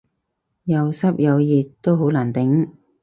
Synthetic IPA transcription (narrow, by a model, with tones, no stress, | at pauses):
jɐ˨˧wsɐ˥p̚jɐ˨˧wjiː˨tt̪ːo˥wɦo˨˥laː˨˩nt̪ɪ˨˥ŋ